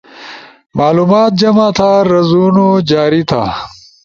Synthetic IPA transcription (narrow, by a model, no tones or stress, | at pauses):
maːluːmaːt̪̚d͡ʑɐmat̪ʰaɾɐzunod͡ʑaːɾit̪ʰa̰